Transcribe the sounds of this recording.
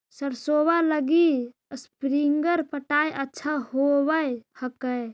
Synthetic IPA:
səɾsobaləɡi | əspɾiŋɡəɾpəʈajʔətːʃʰahobəjhəkəj

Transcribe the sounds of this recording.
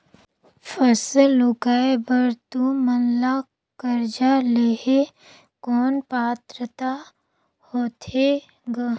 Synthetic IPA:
fʰəslʊkaːebɐɾt̪umənla | kəɾd͡ʒaleːɦe | kɔːnpaːt̪ɾət̪a | hoːt̪ʰe | ɡa

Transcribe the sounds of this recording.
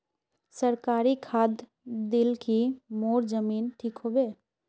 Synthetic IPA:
səɾkaːɾikʰaːd̪ | d̪ɪlkimoːɾd͡ʒəmiːnʈʰiːkɦobeː

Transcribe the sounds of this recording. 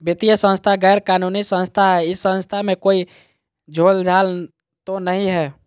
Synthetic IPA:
bet̪ijəsə̃nst̪ʰaɡɛːɾkanunisə̃nst̪ʰaɦɛɪsːə̃nst̪ʰamẽkoi | d͡ʒʱold͡ʒʱal | t̪onəɦĩɦɛ

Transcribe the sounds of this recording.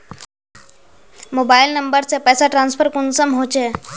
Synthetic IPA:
moːbaːɪlnəmbəɾsepɛːsaʈɾãːnspʰəɾkʊnsəmɦoːt͡ʃe

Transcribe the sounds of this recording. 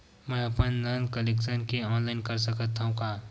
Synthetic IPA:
mɛ̃ːɐpənnɐnkəleːkʃənkeɔːnlaɪnkɐɾsɐkət̪ːaɦũkaː

